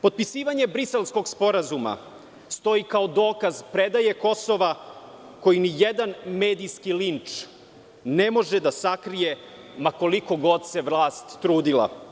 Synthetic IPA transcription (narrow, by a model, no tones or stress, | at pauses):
po̞d̪̚pisiːʋaɲe̞bɾise̞lˠsko̞ɡspo̞ɾazuma̰ | st̪o̞ikaod̪o̞ːkazpɾed̪aje̞ko̞so̞ʋa | ko̞jinijed̪anmeːd̪ijskilint͡ʂ | nemo̞ʒed̪asakɾije | mako̞liko̞ɡo̞d̪se̞ʋlˠaːst̪ːɾuːd̪ila̰